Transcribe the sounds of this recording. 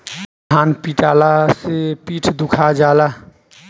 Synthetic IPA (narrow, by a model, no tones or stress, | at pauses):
aːnpiːʈaːlasepiːʈʰd̪ʊkʰad͡ʒaːla